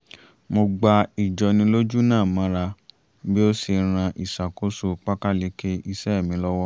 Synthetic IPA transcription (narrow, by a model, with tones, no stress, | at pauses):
mo˧ɡ͡ba˧i˨d͡ʒɔ˧nĩ˧lo˦d͡ʒu˦nãː˦˨mã˨˦ɾa˧ | bi˦o˦si˧ɾ̃ã˧ʔi˨sa˨ko˨˦so˦k͡pa˦ka˦le˦ke˦i˧sɛ˦˨mĩ˨˦lɔ˦wɔ˦